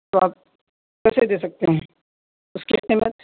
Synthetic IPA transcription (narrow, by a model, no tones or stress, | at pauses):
t̪oaːp̚ | kɛsed̪eːsɐk̚t̪eɦɛ̃ː | ʊskiqɪmət̪̚